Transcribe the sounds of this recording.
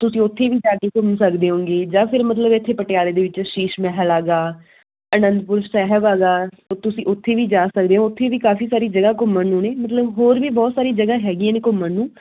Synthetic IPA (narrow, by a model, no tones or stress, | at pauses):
t̪ʊsĩːʊt̪ʰːeːʋiːd͡ʒaːkeːkʊmsəkd̪eːɦõːŋɡeːd͡ʒãːpʰɪɾmət̪ləbɪt̪ʰːeːpəʈɪjaːleːd̪eːʋɪt͡ʃʃiːʃmɛːɦəlaːɡaː | ənə̃nd̪pʊɾsɛːɦəbaːɡaː | ot̪ʊsĩːʔʊt̪ʰːeːʋiːd͡ʒaːsəkd̪eːɦõʊt̪ʰːeːʋiːkaːfiːsaːɾiːd͡ʒəɡaːkʊməɳnũːneːmət̪ləbɦoːɾʋiːbɔːt̪saːɾiːd͡ʒəɡaːɦɛːɡijãːneːkʊməɳːũː